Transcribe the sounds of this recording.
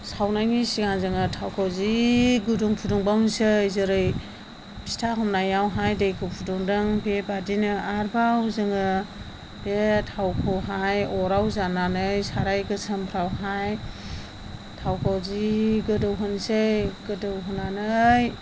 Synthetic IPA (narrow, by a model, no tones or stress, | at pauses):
sawnajnisiɡanzɯŋɯtʰawkʰawziɡuduŋpʰuduŋbawnisɯjzɯɾɯj | bi̥stʰaɦɔmnajawɦajdejkʰɯpʰuduŋdɯŋbebadinɯaɾbawzɯŋɯ | b̥etʰawkʰɯwɦajɔɾawzananɯjsaɾajɡɯsɯmpʰɾawɦaj | tʰawkʰawziɡɯdɯwɦɯnsɯjɡ̥ɯdɯwɦɯnanɯj